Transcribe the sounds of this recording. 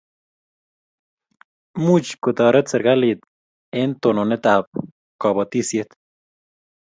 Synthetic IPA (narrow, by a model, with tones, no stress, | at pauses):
mu˦t͡ʃku˨t̪a˨ɾe˦t͡se˧ɾɡa˦li˧t̪̚ | e˦nt̪o˨no˨ne˦t̪a˨p̚ | ka˨ba˨t̪i˦sje˧˦t̪